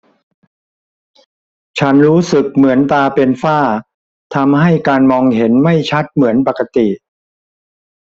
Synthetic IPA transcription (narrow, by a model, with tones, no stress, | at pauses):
t͡ɕʰa˦˥nɾuː˦˥sɯ˨˩k̚mɯ˩˦ənt̪aː˧pe˧nfaː˥˩ | t̪ʰa˧mɦa˥˩jkaː˧nmɔː˧ŋhe˩˦nma˥˩jt͡ɕʰa˦˥t̪̚mɯ˩˦ənpa˨˩kːa˧t̪i˨˩